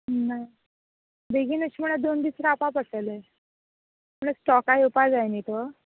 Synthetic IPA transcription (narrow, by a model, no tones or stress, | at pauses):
naj | b̪eɡiːnəɕiːm̤əɽ̃ad̪ond̪isɾaapãpəsəle | m̤əɳasʈɔkajupad͡zajnit̪o